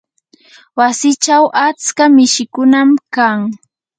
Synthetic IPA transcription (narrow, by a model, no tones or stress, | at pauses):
wasɪt͡ʃawʔat͡skamɪʃɪkʊnamkaŋ